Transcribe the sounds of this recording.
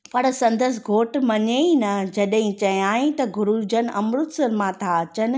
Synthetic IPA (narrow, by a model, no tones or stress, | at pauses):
pɐɽsɐ̃nd̪əs̬ɪɡʱoːʈmɐɲeinɐd͡ʑɐɗɦɪ̃t͡ɕɐjaːĩt̪ɐɡʊɾud͡ʑənʔɐmɾʊt̪sɐɾmãt̪ʰaɐt͡ɕənɪ̆